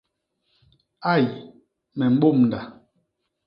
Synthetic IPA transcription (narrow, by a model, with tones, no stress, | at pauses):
a˦˨j | mɛ˨m̩˦ɓo˦˨mn̩˨da˨